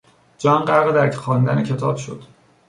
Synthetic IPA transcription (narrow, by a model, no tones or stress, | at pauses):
d͡ʒɒːnɢæɾɣed̪æɾxɒːnd̪ænecʰe̞t̪ʰɒːb̥ʃod̪̥